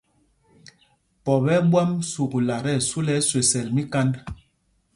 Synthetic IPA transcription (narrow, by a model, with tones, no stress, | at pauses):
pɔ˨bɛ˦ɓwa˦msu˨kla˨ɾɛ˦˨su˦lɛ˦swe˨sɛ˨lmi˦ka˦nd